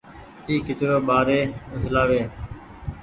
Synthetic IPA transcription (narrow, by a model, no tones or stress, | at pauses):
iːkɪt͡ʃ̪ɾoːɓaːɾeːmʊslaːʋeː